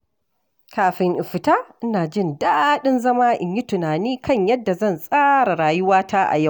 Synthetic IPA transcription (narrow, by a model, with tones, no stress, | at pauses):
kaː˨ɸɪ˨ŋʔɪ˨ɸɪ˨taː˦ʔɪ˦naː˨d͡ʒɪ˦˨ndaː˦ɗɪ˦nzɐ˦maː˦ʔɪ˨ɲji˦tʊ˨naː˨niː˦kɐ˦˨ɲjɐ˦dːa˨zɐ˦˨nsʼaː˦ɾa˨ɽaː˨jʊ˦waː˦tʰaː˦ʔa̰˨ja˦˨